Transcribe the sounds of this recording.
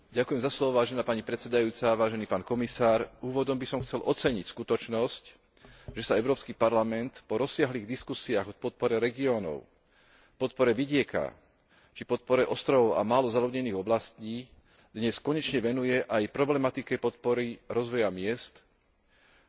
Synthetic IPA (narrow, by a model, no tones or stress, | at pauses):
ɟakujɛmzaslɔʋɔʋaːʒɛnaːpaɲipɾɛt̪sɛd̪ajuːt͡saʋaːʒɛniːpaːnkɔmisaːɾuːʋɔd̪ɔmbisɔmxt͡sɛlʔɔt͡sɛɲicskut̪ɔt͡ʃnɔsc | ʒɛsaɛʊɾɔːpskiːpaɾlamɛnt̪pɔɾɔsːɪaɦliːɣd̪iskusiaːɣɔpɔt̪̚pɔɾɛɾɛɡiɔnɔ̰ʊ | pɔt̪̚pɔɾɛʋiɟɪɛka̰ | t͡ʃipɔt̪̚pɔɾɛʔɔst̪ɾɔʊa̰maːlɔzaluɲɛniːɣɔblasciː | d̪̥ɲɛskɔɲɛt͡ʃɲɛʋɛnujɛʔajpɾɔblɛmat̪it͡skɛpɔt̪̚pɔɾiɾɔzʋɔjamɪɛst̪